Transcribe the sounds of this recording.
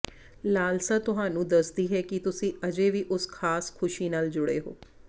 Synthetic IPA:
laːlsat̪ʊɦaːnũːd̪ɐsd̪iːɦɛkit̪ʊsĩɐd͡ʒeʋiʔʊskʰaːskʰʊʃinaːld͡ʒʊɽeɦoː

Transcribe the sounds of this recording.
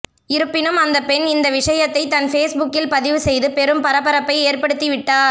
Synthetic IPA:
ɪɾɯpːɪnɯmɐnd̪ɐpɛnɪnd̪ɐʋɪʂɐjɐt̪ːɐɪt̪ːɐnfeːsbʊkːɪlpɐðɪʋɯsɛjðɯpɛɾɯmpɐɾɐpɐɾɐpːɐɪeːrpɐɽɯt̪ːiʋɪʈːaː

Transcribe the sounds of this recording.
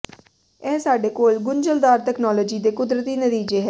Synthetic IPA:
ɛːsaːɖeːkoːlɡʊɲd͡ʒəld̪aːɾt̪ɛːknɔːloːd͡ʒiːd̪eːkʊd̪ɾət̪iːnət̪iːd͡ʒeːɦɛː

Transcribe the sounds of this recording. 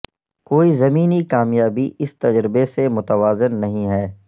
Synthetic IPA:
koːizɐmiːnikaːmjaːbiɪst̪ɐd͡ʒɾɪbesemʊt̪əʋaːzɪnːɐɦĩɦɛː

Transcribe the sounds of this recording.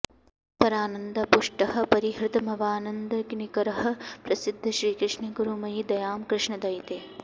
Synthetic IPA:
pɐɾaːnɐnd̪ɐpuʂʈɐhɐ̆pɐɾiɦɾɪt̪ɐmɐʋaːnɐnd̪ɐknikɐɾɐɦɐ̆pɾɐsid̪ʱːɐʃɾiːkɾɪʂɳɐɡuɾumɐjid̪ɐjaːmkɾɪʂɳɐd̪ɐjt̪eː

